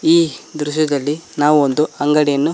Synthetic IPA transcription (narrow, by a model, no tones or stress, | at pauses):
iːd̪ɾuʃɐd̪ɐlːinaːʋuond̪uɐŋɡɐɽɛjɐnːu